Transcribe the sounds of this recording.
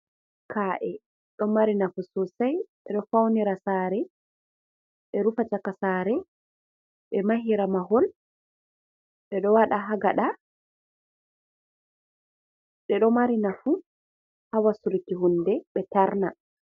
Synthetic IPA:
kʰaːʔɛ | ɗɔmaɾinafusɔsajɓɛɗɔfawniɾasaːɾɛ | ɓɛɾufat͡ʃakasaːɾɛ | ɓɛmaɦiɾamaɦɔl | ɓɛɗɔwaɗaɦaɡaɗa | ɗɛɗɔmaɾinafu | hawasulkiɦundɛɓɛtaɾna

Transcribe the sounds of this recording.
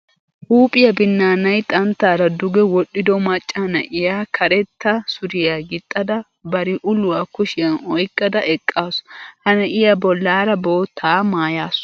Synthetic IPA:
ʔuːpʼɪjɐbɪnːaːnɐjt̪ʼɐnt̪ːaːɾɐd̪ʊɡɛwɔɗːɪd̪ɔmɐt͡ʃʼːɐnɐʔɪjaːkʰɐɾɛt̪ːɐsʊd̪ɪjaːɡɪt̪ʼːɐd̪ɐ | bɐɾɪʔʊlʊwaːkʊʃɪjɐnɔjkʼːɐd̪ɐʔɛkʼːaːsʊ̥hɐnɐʔɪjɐbɔlːaːɾɐbo̞ːt̪ʰːaːmaːjaːs

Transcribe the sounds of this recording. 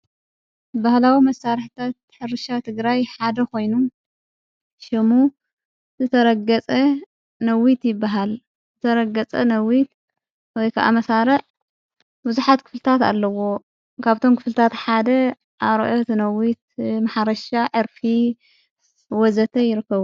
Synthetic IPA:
bahlawimɐsaɾħt̪ʰat̪ːħɨɾɨʃat̪ʰɨɡɾajħad̪ɐko̞jnu | ʃɪmu | zɨt̪ʰɐɾɐɡɐt͡sʼɐ | nɐwit̪jɪbːaɦal | zɨt̪ʰɐɾɐɡɐt͡sʼɐnɐwit̪ | wɔjkʰa̰ʔa̰mɐsaɾɐʕ | bɨzuħat̪kʰɨ̥flɨt̪ʰat̪a̰lːɐwo̞ | kʰaβt̪ʰo̞mkʰɨflɨt̪ʰat̪ħad̪ɐ | ʔaɾo̰ʔot̪ʰnɐwit̪̚maħaɾɐʃaʕɨɾfi | wɔzɐt̪ʰɐjɪɾɨkːɐβu

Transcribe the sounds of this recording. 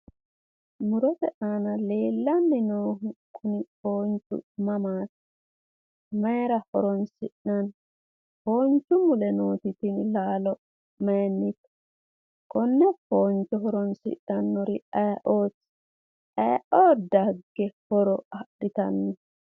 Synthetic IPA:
mʊɾɔt̪ɛʔanɐle̞ːlːɐnːɪnoːɦʊkʰːʊnɪpoːnt͡ʃʊ̰mɐmaːt̪ | mɐjɾɐhɔ̰ɾɔnsɪɗnɐn | hoːnt͡ʃːʊmʊlɛnoːt̪ɪt̪ɪnlaːlɔ | mɐjnːɪt̪ | kʼɔnːɛpoːnt͡ʃːɔɦɔɾɔnsɪ̰ʔːɐnːɔɾɪɐjʔoːt͡sː | ɐjʔoːd̪ɐɡːɛhɔɾɔɐɗɪt̪ɐ̰nːɔ

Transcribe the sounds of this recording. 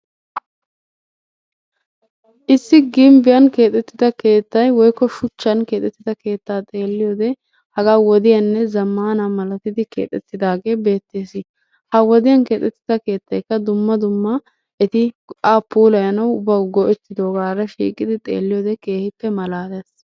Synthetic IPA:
ʔɪsːɪɡɪmbɪjɐnke̞ːt̪ʼɛt̪ːɪd̪ɐke̞ːt̪ːɐjwɔjkːɔʃʊt͡ʃːɐnke̞ːt̪ʼɛt̪ːɪd̪ɐke̞ːt̪ːaːt̪ʼe̞ːlːɪjoːd̪ɛ | hɐɡaːwɔd̪ɪjɐnːɛzɐmːaːnamɐlɐt̪ɪd̪ɪkḛːt̪ʼɛt̪ːɪd̪aːɡe̞ːbe̞ːt̪ːeːsɪ | hɐwɔd̪ɪjɐnke̞ːt̪ʼːɛt̪ːɪd̪ɐke̞ːt̪ːɐjkːɐd̪ʊmːɐd̪ʊmːɐ | ʔɛt̪ɪ | aːpːuːlɐjɐnɐwʊbɐwɡɔʔɛt̪ːɪd̪o̞ːɡaːɾɐʃḭːkʼɪd̪ɪt̪ʼe̞̰ːlːɪjoːd̪ɛke̞ːhɪpːɛmɐlaːd̪ɐs

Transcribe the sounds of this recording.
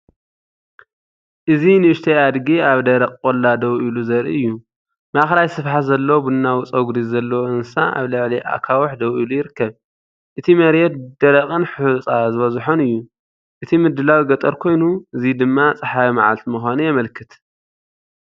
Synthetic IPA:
ʔɨzinɨɨʃt̪ʰead̪ɡiaβd̪ɐɾɐkʼkʼolːad̪ɐwʔiluzɐɾḭɨjːu | maxlajsɨfħazɐlːobɨnːawʊt͡sʼɐɡɾizzɐlːɐwʔɨnsaʔa̰βlɨʕliʔa̰kʰawɔħd̪ɐwʔilujɪɾɨkːɐβ | ʔɨt̪ʰimɐɾjɛt̪̚d̪̥ɐɾɐkʼɨnħut͡sʼazɨβɐzħonɨjːu | ʔɨt̪ʰimɨd̪ːɨlawɡɐt̪ʼɐɾkʰo̞jnuɨzid̪ɨmːat͡sʼɨħaimaʕa̰lt̪mɨxʷanujɛmɐlkʰɨt̪

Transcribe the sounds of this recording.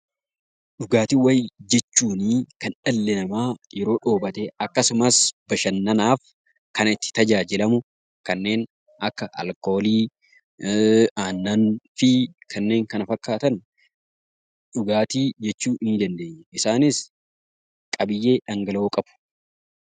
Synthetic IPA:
ᶑʊɡaːt̪iːwɐjd͡ʒɛt͡ʃːuːnikɐnᶑɐlːɛnɐmaːjɛɾo̞ːᶑoːbɐt̪eɐkːɐsʊmɐsb̥ɐʃɐnːɐnaːf | kɐnɐɪt̪ːɪ̥t̪ɐd͡ʒaːd͡ʒɪlɐmʊ | kɐnːe̞ːn | ɐkːɐʔɐ̰lko̞ːliː | aːnːɐnfɪkʰɐnːe̞ːŋkɐnɐfɐkːaːt̪ɐn | ᶑʊɡaːt̪iːd͡ʒɛt͡ʃːuːʔɪnd͡ʒ̪ɐnd̪eːɲɛʔɪsaːnɪs | kʼɐbɪjːe̞ːᶑɐŋɡɐloːkʼɐb̥ʊ̥

